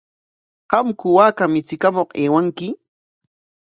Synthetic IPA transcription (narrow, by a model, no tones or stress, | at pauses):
ɢɑmkʊwaːkamɪt͡sɪkamoqeːwaŋkɪ